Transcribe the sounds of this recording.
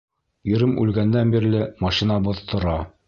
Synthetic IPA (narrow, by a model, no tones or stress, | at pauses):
iɾɘmʉ̰lɡænd̪ænbiɾlɘmɑʃinɑbŏðt̪ŏɾɑ